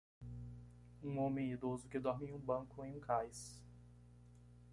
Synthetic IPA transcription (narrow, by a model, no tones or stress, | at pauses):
ũõmẽid̪ozʊkɪd̪ɔɾmẽj̃ũbɐ̃kʊẽj̃ũkajs